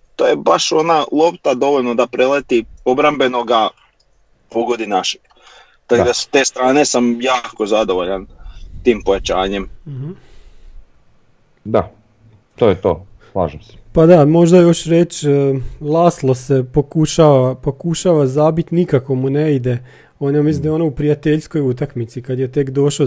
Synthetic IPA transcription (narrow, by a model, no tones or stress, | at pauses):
t̪oːjebaʃo̞nalˠo̞pt̪ad̪o̞ʋoʎnod̪apɾelet̪iobɾambe̞noɡa | poɡod̪inaʃi | t̪akd̪ast̪e̞ːst̪ɾaːnesamjaːkozad̪oʋoʎant̪iːmpojat͡ɕaːɲemm̩ɦ̩ | d̪a | t̪ojet̪o̰ː | slˠaːʒemse̥pad̪amo̞ʒd̪ajo̞ʃɾet͡ʃː | lˠaːslˠo̞sepo̞kuʃaːʋapo̞kuʃaʋazabit̪nikako̞muneid̪e̞ | oːnjamis̬imd̪ajeonoupɾiat̪eʎsko̞jut̪akmit̪sikad̪jet̪e̞kd̪o̞ʃo